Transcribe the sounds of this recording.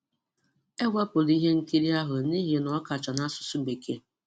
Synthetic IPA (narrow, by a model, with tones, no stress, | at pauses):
e˦ɡʷa˦pʊ˨li˦ɦe˦ŋ̩˦ki˦ɾi˦a˦ɦʊ˨ni˦ɦe˨nɔ˨˦ka˨t͡ʃa˨na˦sʊ̥˨su˦be˨ke˦